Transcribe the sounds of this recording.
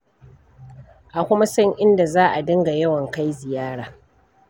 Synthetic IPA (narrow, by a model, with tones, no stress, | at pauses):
ʔa˨kʷʊ˦ma˦sɐ˦ŋʔɪ˦nda˨zaː˦ʔa˨dɪ˦ŋɡa˨jɐ˦wɐ˨ŋka˦jzɪ˨jaː˦ɽaː˨